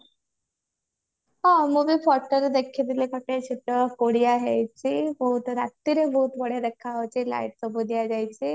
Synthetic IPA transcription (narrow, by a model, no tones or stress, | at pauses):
ɦãmubipʰɔʈəɾd̪ekʰid̪ilekəʈet͡ɕʰuʈːəkoɽiaɦejt͡ɕibəɦut̪ɾat̪ːiɾebəɦut̪bəɽed̪ekʰːat͡ɕila̰iʈ̚səbud̪ijad͡ʑajt͡ɕi